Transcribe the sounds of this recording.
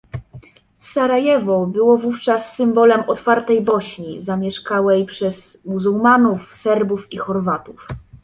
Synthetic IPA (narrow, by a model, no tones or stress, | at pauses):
saɾajɛvɔbɘwɔvuft͡ʂasːɘmbɔlɛmɔt̪faɾt̪ɛjbɔɕɲizamʲjɛʂkawɛjpʂɛz̥ | muzuwmanufsɛɾbufixɔɾvat̪uf